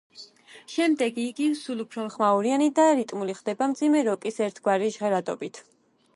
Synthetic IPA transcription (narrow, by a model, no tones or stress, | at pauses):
ʃɛmd̪ɛɡiːɡisulˠupʰɾɔmχmauɾianid̪aɾit̪ʼmuliχd̪ɛbamd̪zimɛɾɔkʼisɛɾt̪ʰɡwaɾiʒʁɛɾad̪ɔbit̪ʰ